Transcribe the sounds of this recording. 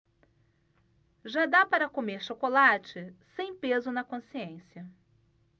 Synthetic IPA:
ʒad̪apaɾɐkomeɾʃokolat͡ʃɪsẽj̃pezʊnɐkõsiẽsjɐ

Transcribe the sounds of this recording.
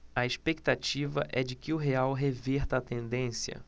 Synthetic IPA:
ɐespek̚t̪at͡ʃivɐʔɛd͡ʒɪkɪʊɦeawɦeveɾt̪ɐːt̪ẽnd̪ẽsijɐ̰

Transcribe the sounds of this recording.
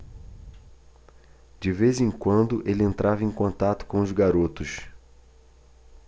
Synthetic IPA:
d͡ʒɪvezẽŋkwɐ̃nd̪ʊʔelɪẽnt̪ɾavɐẽj̃kõnt̪at̪ʊ̥kõʊzɡaɾot̪ʊʃ

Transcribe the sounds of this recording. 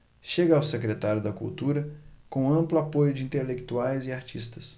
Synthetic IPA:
ʃeɡɐːwsekɾet̪aɾjʊd̪ɐkṵwt̪uɾɐkõɐ̃mplʊapojʊd͡ʒɪĩnt̪elekt̪uajzɪaɾt͡ʃist̪ɐ̥s

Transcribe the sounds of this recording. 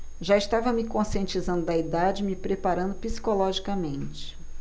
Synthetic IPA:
ʒaiʃt̪avɐmɪkõsiẽnt͡ʃizɐ̃nd̪ʊd̪ɐid̪ad͡ʒɪmɪpɾepaɾɐ̃nd̪ʊpisi̥kolɔʒikɐmẽnt͡ʃɪ̥

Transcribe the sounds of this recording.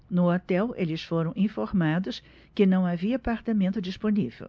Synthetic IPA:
nʊot̪ɛwelɪsfoɾɐ̃w̃ʔĩfoɾmad̪ʊs | kɪnɐ̃w̃aviɐːpaɾt̪amẽnt̪ʊd͡ʒisponivḛw

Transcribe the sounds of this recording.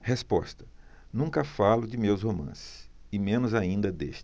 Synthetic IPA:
hespɔ̰st̪ɐ̥ | nũŋkɐfalʊd͡ʒɪmewshomɐ̰̃sɪ̥sɪmẽnʊzaĩnd̪ɐd̪ḛʃt͡ʃ

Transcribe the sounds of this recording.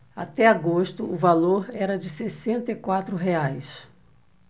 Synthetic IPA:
a̰t̪ɛaɡoʃt̪ʊʊvaloɾɛɾɐd͡ʒɪsesẽnt̪ɐikwat̪ɾʊɦeajs

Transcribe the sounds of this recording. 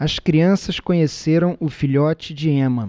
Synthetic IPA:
ɐskɾiɐ̃sɐskõɲeseɾɐ̃w̃ʊfiʎɔt͡ʃɪd͡ʒɪẽmɐ

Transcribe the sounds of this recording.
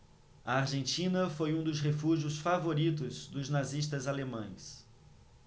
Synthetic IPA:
ɐaɾʒẽnt͡ʃĩnɐfojũd̪ʊsɦefuʒiʊsfavoɾit̪ʊzd̪ʊznaziʃt̪ɐzalemɐ̰̃j̃s

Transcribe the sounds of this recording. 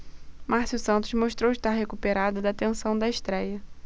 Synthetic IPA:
masusɐ̃nt̪ʊzmoʃt̪ɾowɪʃt̪aɾɦekupeɾad̪ɐd̪ɐːt̪ẽsɐ̃w̃d̪ɐɪʃt̪ɾɛjɐ

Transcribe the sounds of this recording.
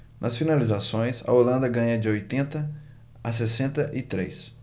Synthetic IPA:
nʔɐsfinalizasõj̃sɐ̰olɐ̃nd̪ɐɡɐ̃ɲɐd͡ʒɪojt̪ẽnt̪ɐ | asesẽnt̪ɐʔit̪ɾḛjs

